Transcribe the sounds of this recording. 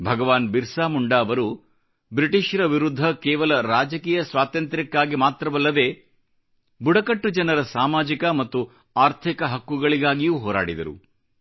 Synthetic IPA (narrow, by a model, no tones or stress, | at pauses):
bʱɐɡɐʋaːnbiɾsaːmuɳɖaːɐʋɐɾu | bɾiʈiʃɐɾɐʋiɾud̪ʱːɐkɛːʋɐlɐɾaːd͡ʒɐkiːjɐsʋaːt̪ɐnt̪ɾikːaːɡimaːt̪ɾɐʋɐlːɐd̪e̞ː | buɽɐkɐʈːud͡ʒɐnɐɾɐsaːmaːd͡ʒikɐmɐt̪ːu | aːɾt̪ʰikɐɦɐkːuɡɐɭiɡaːɡijuːɦɔːɾa̰ːɽid̪ɐ̰ɾṵ